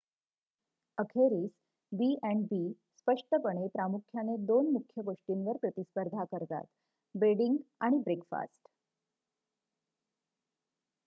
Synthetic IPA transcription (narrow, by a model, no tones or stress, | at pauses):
əkʰeɾiːs | biɛ̃ɳɖbiː | spəʂʈəpəɽ̃epɾamukʰjaned̪onmukʰjəɡoʂʈinʋəɾpɾət̪ispəɾd̪ʱakəɾt̪a̰t̪ | beɽiŋɡa̰ɽ̃ibɾekfa̰sʈ